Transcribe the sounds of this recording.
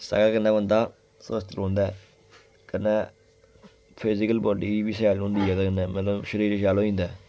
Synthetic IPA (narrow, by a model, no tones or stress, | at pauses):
sə̰ːɡakənːɛ̃ːbənd̪aː | səst̪əɾõːnd̪ɛː | kənːɛː | pʰɪzɪkəlbɔːlʈiːbiːsɛːlɦʊ̃ːnd̪iːɛːd̪akənːɛ̃ːmə̃t̪ləbʃəɾiːɾʃaːlõːĩːnd̪ɛː